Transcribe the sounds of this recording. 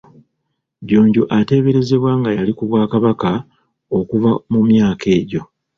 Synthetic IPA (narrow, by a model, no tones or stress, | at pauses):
ɟo̞ːɲɟuʔate̞ːβe̞ɾe̞ze̞βwaːŋɡajalikuβwaːkaβaka | o̞kuvamumjaːkʰe̞ːɟo̞